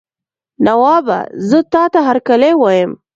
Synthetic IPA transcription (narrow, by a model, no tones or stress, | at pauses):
nawɑba̰zət̪ɑt̪aɦaɾkalewɑjəm